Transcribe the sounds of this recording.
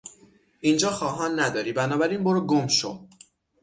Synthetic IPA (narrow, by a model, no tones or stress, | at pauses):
ʔiːnd͡ʒɒːxɒːɦɒːnːæd̪ɒːɾiːbænɒːbæɾiːnboɾoɡomʃo̰